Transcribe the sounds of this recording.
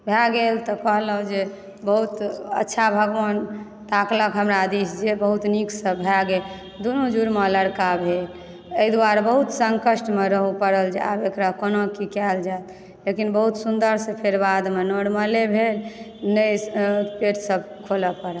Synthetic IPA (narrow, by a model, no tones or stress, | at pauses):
bʱɛɡelt̪ɔkəɦləɦud͡ʒe | bəɦut̪ə̰tːʃʰabʱəɡʋən | t̪akləkɦəmɾad̪isd͡ʒebəɦut̪niksəbbʱɛɡel | d̪unud͡ʒuɾmələɽkabʱel | əid̪uaɾbəɦut̪səŋkəsʈmeɾəɦupəɾəld͡ʒa̰bekɾakonokikɛld͡ʒajt̪ | lekinbəɦut̪sund̪əɾsepʰeɾbad̪menoɽməlebʱel | nəpeʈsəb | kʰoləpəɾə